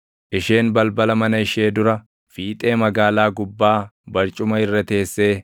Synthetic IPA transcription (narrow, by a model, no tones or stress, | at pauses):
ʔɪʃeːnbɐlbɐlɐmɐnɐɪʃe̞ːd̪ʊɾɐ | fiːt̪ʼe̞ːmɐɡaːlaːɡʊbːaːbɐɾt͡ʃʼʊmɐɪrːɐt̪e̞ːsːeː